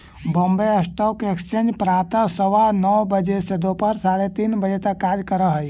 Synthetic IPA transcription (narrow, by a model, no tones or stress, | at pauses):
bõːmbeəsʈɔːkekst͡ʃẽnd͡ʒpɾãːt̪ə̃səʋanɔʋbəd͡ʒesed̪opəɾsaːɽet̪iːnbəd͡ʒet̪ɐkːaːdkəɾəɦəi